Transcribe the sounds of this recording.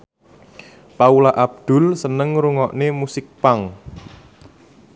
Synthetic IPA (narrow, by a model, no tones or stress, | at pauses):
paulaʔab̚d̪̥ʊ̤lsənəŋɾuŋɔʔnemusɪk̚paŋ